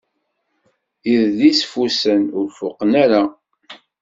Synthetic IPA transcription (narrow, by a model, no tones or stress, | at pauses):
iððisfusənʊɾfʊqːənæɾa